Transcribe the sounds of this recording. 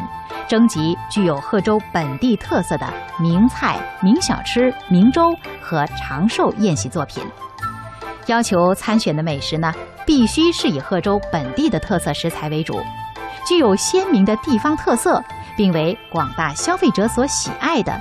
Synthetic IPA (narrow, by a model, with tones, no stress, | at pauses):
ʈ͡ʂɤ˥ŋt͡ɕi˧˥t͡ɕy˥˩jo˨˩ʊxɤ˥˩ʈ͡ʂo˥ʊpə˨˩nt̪i˥˧t̪ʰɤ˥˧sɤ˥˩d̪ə̰˩mi˧˥ŋt͡sʰa˥˩ɪmi˧˥ŋɕjɑ̰˨˩ʊʈ͡ʂʰɻ̩˥mi˧˥ŋʈ͡ʂo˥ʊxɤ˧˥ʈ͡ʂʰɑ˧˥ŋʂo˥˧ʊjɛ˥˧nɕi˧˥t͡swɔ˥˩pʰḭ˨˩˦n | jɑ˥ʊt͡ɕʰjo˧˥ʊt͡sʰa˥nɕɥɛ˨˩nd̪ə˦me˨˩ɪʂɻ̩˧˥nə˧pi˥˩ɕy˥ʂɻ̩˥˩i˨˩xɤ˥˩ʈ͡ʂo˥ʊpə˨˩nt̪i˥˩d̪ə˩t̪ʰɤ˥˧sɤ˥˩ʂɻ̩˧˥t͡sʰa˧˥ɪwe˧˥ɪʈ͡ʂṵ˨˩˦t͡ɕy˥˩jo˨˩ʊɕjɛ˥nmi˧˥ŋd̪ə˧t̪i˥˩fɑ˥ŋt̪ʰɤ˥˧sɤ˥˩ | pi˥˩ŋwe˧˥ɪkwɑ˨˩ŋt̪a˥˩ɕjɑ˥ʊfe˥˩ɪʈ͡ʂɤ˧˥swɔ˧˥ɕḭ˨˩ʔa˥˩ɪd̪ə̰˩